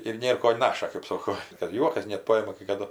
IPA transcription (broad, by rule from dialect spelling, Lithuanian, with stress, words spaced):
ɪr ˈnʲeːr koː ˈnɑːʃɐ kɜp ˈsoːkoː kɐt ˈjuɔkɐs nʲɛt ˈpɑːjɪmɐ kɐɪ kɐˈdʊ